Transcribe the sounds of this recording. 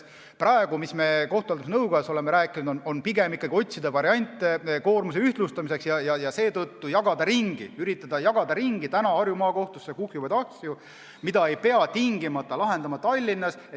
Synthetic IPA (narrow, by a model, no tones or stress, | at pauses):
prɑe̞ɡ̥umisme̞ko̞ht̪ˑuɑlt̪usnɤwɡɑso̞lemeɾæːkːˑinud̪̥ono̞npiɡemikːˑɑɡio̞t̪ʲsid̪̥evɑɾiɑnʲt̪ːˑeko̞ːrmus̬eyht̪lust̪ɑmise̞ksjɑjɑjɑse̞ːt̪ɤt̪ːujɑɡ̥ɑd̪̥ɑɾiŋɡ̥ḭyɾit̪ˑːɑd̪̥ɑjɑɡ̥ɑd̪̥ɑɾiŋɡ̥it̪ænɑɑrjumɑːko̞ht̪usːekuhjuvɑd̪ɑhsju | mid̪ɑe̞jpe̞ɑt̪iŋɡimɑt̪ˑːɑlɑɦe̞nd̪̥ɑmɑt̪ɑlʲːinːɑs | e